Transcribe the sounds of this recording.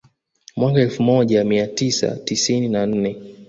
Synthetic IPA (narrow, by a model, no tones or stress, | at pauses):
mwakaɛlfumɔʄamiatisa̰tisininan̩nɛ